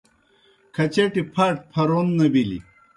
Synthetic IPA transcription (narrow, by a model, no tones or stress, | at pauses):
kʰɐt͡ɕeʈipʰɐʈ̚pʰɐɾonːɐbilḭ